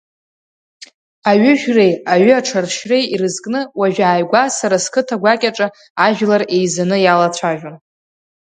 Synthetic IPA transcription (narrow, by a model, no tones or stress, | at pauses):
aɥʏʒᶣre̞jaɥʏaʈ͡ʂʰarʃre̞jiɾɨzkʼnɨwaʒᶣaːjɡʷasaɾaskʰɨtʰaɡʷakʲʼaʈ͡ʂʼa | aʒᶣlare̞jzanɨjalat͡ɕʷʰaʒᶣon